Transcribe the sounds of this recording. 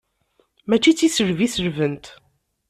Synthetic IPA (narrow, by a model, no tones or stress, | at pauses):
mæt͡ʃːit͡sːisəɾvisəɾvənt̪